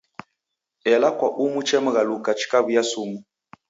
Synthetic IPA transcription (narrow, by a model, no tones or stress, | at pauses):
ɛlakwaʔumut͡ʃɛm̩ɣalukat͡ʃi̥kaβujasumu